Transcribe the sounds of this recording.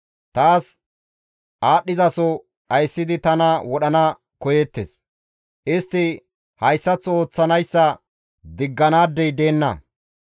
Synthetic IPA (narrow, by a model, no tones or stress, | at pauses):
t̪aːs | ʔaːɗːɪzɐsɔ | ɐjsːɪd̪ɪt̪ɐnɐwɔɗɐnɐ | kɔjet̪ːḛs | ʔɪst̪ːɪ | hɐjsːɐt͡sːo̞ːt͡sːɐnɐjsːɐ | d̪ɪɡːɐnaːd̪ːɛjd̪e̞ːnːɐ̰